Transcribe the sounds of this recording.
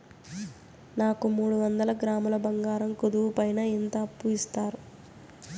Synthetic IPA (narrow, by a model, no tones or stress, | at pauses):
naːkumuːɽuʋɐnd̪ɐlɐɡɾaːmɐlɐbɐŋɡaːɾɐmkud̪uʋupɐjnɐint̪ɐːpːuist̪aːɾu